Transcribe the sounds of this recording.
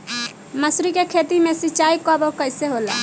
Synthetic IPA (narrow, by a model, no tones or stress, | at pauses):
məsɾikekʰet̪imesit͡ʃaikɔbɔkəjseɦola̰